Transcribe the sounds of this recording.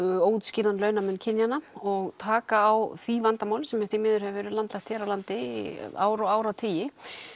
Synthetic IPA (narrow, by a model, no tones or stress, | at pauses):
oːwt̪skcɪːɾanlœːɥnamʏnːcʰɪnjanaɔɣt̪ʰaːkaːwθivant̪amaːwlsɛmɛt̪imɪːðʏɾ̥hɛvɪvɛːɾɪlant̪laxkt̪hɛːɾawlant̪ɪa̰ːwɾɔwaːwɾawt̪ʰiːjɪ